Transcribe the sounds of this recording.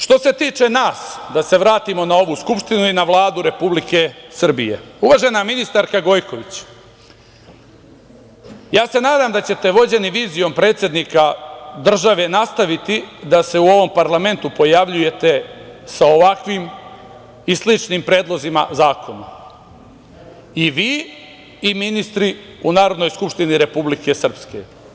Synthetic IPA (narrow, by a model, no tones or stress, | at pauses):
ʃt̪o̞se̞t̪iːt͡ʂe̞naːsd̪ase̞ʋɾaːt̪imo̞nao̞ʋuːskupʃt̪inuinaʋlˠaːd̪uɾe̞publike̞sr̩bḭje̞̰uʋaʒe̞naminist̪aɾkaɡo̞jko̞ʋit͡ɕ | jaːse̞naːd̪aːmd̪at͡ɕe̞t̪e̞ʋo̞d͡ʑe̞niʋiːzijo̞mpɾet̪sʲje̞d̪nikad̪r̩ʒaʋe̞nast̪aʋit̪id̪ase̞uo̞ʋo̞mpaɾlame̞nt̪upo̞jaʋʎuje̞t̪e̞sao̞ʋakʋim | islit͡ʃnimpɾeːd̪lˠo̞zima̰zaːkʰo̞na | iʋiː | iminist̪ɾi | unaːɾo̞d̪nojskupʃt̪iniɾe̞publike̞sr̩pske̞̰